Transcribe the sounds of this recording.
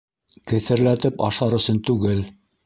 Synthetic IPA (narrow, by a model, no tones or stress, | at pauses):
kɘ̆θɘ̆ɾlæt̪ɘpɑ̰ʃɑɾɵ̆sɵnt̪ʉɡɘl